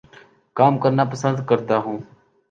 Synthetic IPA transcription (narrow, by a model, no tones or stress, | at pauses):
kaːmkəɾnaːpəsənd̪kəɾt̪aːɦũː